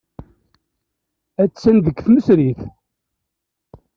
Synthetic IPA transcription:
æsænðəkːθməsɾiθ

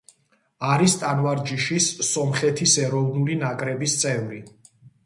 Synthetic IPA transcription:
aɾist̪ʼanvaɾd͡ʒiʃisːɔmχɛt̪ʰisɛɾɔvnulinakʼɾɛbist̪sʼɛvɾi

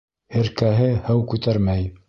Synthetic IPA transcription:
ɘ̆ɾkæɦɘhæwkʉt̪æɾmæj

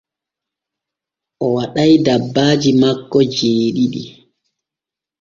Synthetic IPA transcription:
ʔɔwaɗajdabːaːd͡ʒimakːɔd͡ʒeːɗiɗi

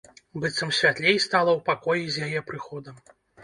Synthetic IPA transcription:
bɨt̪sɐmsʲvʲat̪lʲejst̪alˠɐwpakɔjizʲjajɛpɾɨxɔd̪ɐm

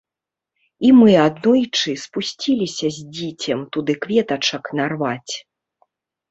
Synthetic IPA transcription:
imɨad̪nɔjt͡ʂɨspusʲt͡sʲilʲisʲɐzʲd͡zʲit͡sʲɐmt̪ud̪ɨkvʲɛt̪ɐt͡ʂɐknarvat͡sʲ

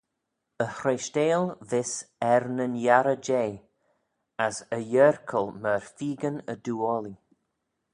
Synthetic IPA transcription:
əhɾeʃteːlvɪsɛɾnənjaɾəd͡ʒeː | asəjəɾkʰəlˠməɹfiːɡənəduːɔli

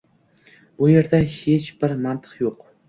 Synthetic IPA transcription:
b̥ujeɾd̪ahet͡ʃb̥ɪɾmant̪ʰɨ̥qjoq

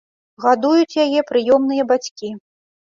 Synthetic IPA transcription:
ɣad̪ujut͡sʲjajɛpɾɨjɔmnɨjɐbat͡sʲkʲi

